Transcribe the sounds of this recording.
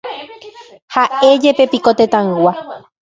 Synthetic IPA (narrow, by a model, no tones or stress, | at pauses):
hae̞d͡ʒe̞pepikot̪et̪ãɨwa